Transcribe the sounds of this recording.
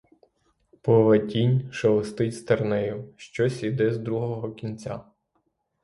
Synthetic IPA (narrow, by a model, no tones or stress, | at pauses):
pɔʋɐtʲinʲʃɐʋɔst̪ɪtʲst̪ɐrnɛjʊʃt͡ʃɔsʲid̪ɛzd̪ɾuɦɔɦɔkʲinʲt͡sʲa̰